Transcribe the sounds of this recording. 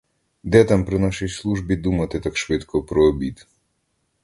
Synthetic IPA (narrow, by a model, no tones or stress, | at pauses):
d̪ɛt̪ampɾɪnɑʃijslˠuʒbʲid̪umɐt̪ɪt̪akʃʋɪt̪kʰɔpɾɔːbʲid̪